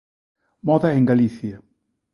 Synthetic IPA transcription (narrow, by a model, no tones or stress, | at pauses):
mɔðaeŋɡaliθja